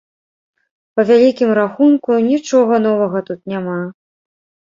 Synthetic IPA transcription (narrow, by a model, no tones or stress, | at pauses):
pɐvʲalʲikʲimɾaxunkunʲit͡ʂɔɣɐn̪ɔvɐɣɐt̪ut̪nʲama